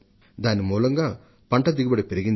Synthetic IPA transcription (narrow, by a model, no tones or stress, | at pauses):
d̪aːnːimuːlɐŋɡaː | pɐɳʈɐd̪iɡibɐɽipeɾiɡin